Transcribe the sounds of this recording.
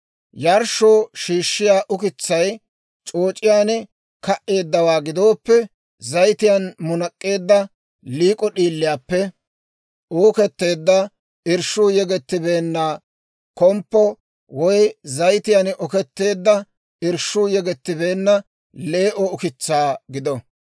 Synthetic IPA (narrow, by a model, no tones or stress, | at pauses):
jɐɾʃoːʃiːʃːɪjaːʔʊkɪt͡sːɐj | t͡ʃʼo̞ːt͡ʃʼːɪjaːnɛ | kɐʔe̞ːd̪ːɐwaːɡɪd̪o̞ːpːɛ | zɐjt̪ɪjanmʊnɐkʼːe̞ːd̪ːɐ | liːkʼɔɗiːlːɪjaːpːɛ | oːkɛt̪ːe̞ːd̪ːɐ | ɪɾʃuːjɛɡɛt̪ːɪbeːnːaː | kɔmpːɔ | wɔjzɐjt̪ɪjanʔɔkɛt̪ːe̞ːd̪ːɐ | ɪɾʃːʊːjɛɡɛt̪ːɪbe̞ːnːɐ | le̞ːʔɔʊkɪt͡sːaːɡɪd̪ɔ